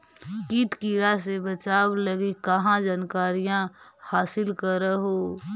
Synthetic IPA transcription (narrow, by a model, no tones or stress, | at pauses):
kiːt̪kiːɾasebət͡ʃaːbləɡekɐɦãd͡ʒaːnkaːɾijãhaːsɪlkəɾeɦoː